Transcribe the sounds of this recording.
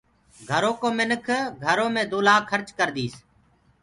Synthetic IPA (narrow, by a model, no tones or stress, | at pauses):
ɡʱəɾõːkoːmɪnəkʰɡʱəɾõːmẽːd̪oːlaːkʰːəɾt͡ʃkəɾd̪iːs